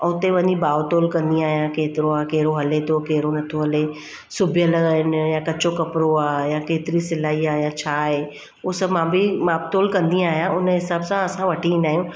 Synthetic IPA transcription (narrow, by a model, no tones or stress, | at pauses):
ʊt̪eʋɐɲibaːʋot̪oːlkɐ̃nd̪ij̃aːɦijãkeːt̪ɪɾoaːkeɦɾoɦɐlet̪ʰokeɦɪɾonɐt̪ʰoɦɐle | sʊbʱjəlɦɪnjakɐt͡ɕokɐpɪɾoaːjakeːt̪ɪɾisɪlaːiaːɦjat͡ɕʰaːɦeː | ʊsmãbimaːb̚t̪oːlkɐ̃nd̪ĩaːɦijãʊnɦɪsaːbsãɐsãʋɐʈʰiĩnd̪aːɦijũ